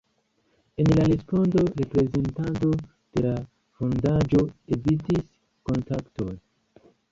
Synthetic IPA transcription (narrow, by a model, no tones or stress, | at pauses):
e̞nlaɾespo̞ndo̞ɾe̞pɾe̞ze̞ntant̬o̞ | d̥e̞la | fondad͡ʒo̞evitis | ko̞ntakto̰n